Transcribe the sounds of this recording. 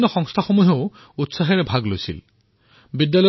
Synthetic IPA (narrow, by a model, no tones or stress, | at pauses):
nːɔxɔŋst̪ʰaxomuɦeʊ | utsaxɛɹɛbʱaɡlojsḭl | bidjalɔ